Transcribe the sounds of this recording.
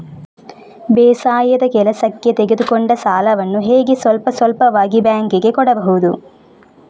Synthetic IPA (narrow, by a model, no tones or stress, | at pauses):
bɛːsaːjɐd̪ɐkɛlɐsɐkjet̪eɡed̪ukoɳɖɐsaːlɐʋɐnːuɦeːɡesʋɐlpɐsʋɐlpɐʋaːɡibjaːŋkiɡe̞kɔɽɐbɐɦud̪u